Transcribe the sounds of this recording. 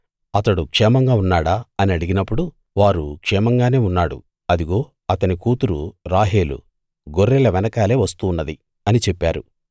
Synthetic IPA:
ɐt̪ɐɽukʂɛːmɐŋɡaːunːaːɽaːɐniɐɽiɡinɐpːuɽu | ʋaːɾukʂɛːmɐŋɡaːne̞ːunːaːɽṵ | ɐd̪iɡo̞ː | ɐt̪ɐnikuːt̪uɾuɾaːɦe̞ːlṵ | ɡoɾːɛlɐʋɛnɐkaːle̞ːʋɐst̪uːnːɐd̪i | ɐnit͡ʃɛpːaːɾṵ

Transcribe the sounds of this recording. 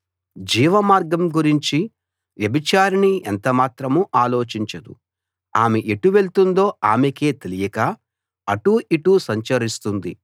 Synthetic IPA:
d͡ʒiːʋɐmaːɾɡɐmɡuɾiɲt͡ʃi | ʋjɐbit͡ʃaːɾɐnient̪ɐmaːt̪ɾɐmuʔaːlo̞ːt͡ʃiɲt͡ʃɐd̪ṵ | aːmeʔeʈːuʋe̞ɭt̪und̪o̞ːaːmeke̞ːt̪e̞lijɐkaː | ɐʈuːʔiʈusɐɲt͡ʃɐɾist̪und̪ḭ

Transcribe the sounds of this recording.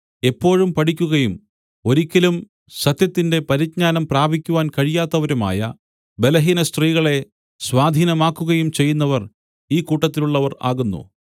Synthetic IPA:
e̞pːo̞ːɻumpɐʈikʲːuɣɐjum | o̞ɾikʲːɐlum | sɐt̪jɐt̪ːinde̞pɐɾit̚ɲaːnɐmpraːbʱikʲːuʋaːnkɐɻijaːt̪ːɐʋɐɾuma̰ːjɐ | be̞lɐɦiːnɐst̪riːɣɐɭe̞ | swaːd̪ʱiːnɐmaːkːuɣɐjumt͡ɕe̞jːunːɐʋɐr | iːkuːʈːɐt̪ːiluɭːɐʋɐra̰ːɣunːṵ

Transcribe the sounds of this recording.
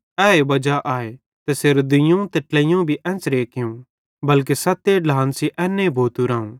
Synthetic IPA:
ɛːebɐd͡ʒaʔaːe | t̪ɛseɾd̪ɪjõt̪eʈlɐjõbʱiʔɛ̃ːnsɾeːkʰɪjũ | bɐlk̬esɐt̪eɖaːnsiʔɛːnːebʱoːt̪uɾãːũ

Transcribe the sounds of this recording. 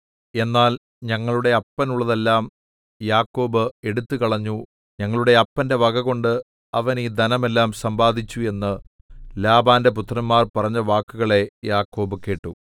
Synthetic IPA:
e̞nːaːl | ɲɐŋːɐɭuɽe̞ɐpːɐnuɭːɐðe̞lːaːm | jaːkːo̞ːbɨe̞ɽut̪ːɨkɐɭɐɲːu | ɲɐŋːɐɭuɽe̞ɐpːɐnde̞ʋɐɡɐɣo̞ɳɖɨ | ɐʋɐnid̪ʱɐnɐme̞lːaːmsɐmbaːd̪ʱit͡ɕːue̞nːɨ | laːbaːnde̞p̬ut̪rɐmmaːrpɐrɐɲːɐʋaːkːuɣɐɭe̞jaːkːo̞ːbɨke̞ːʈːu

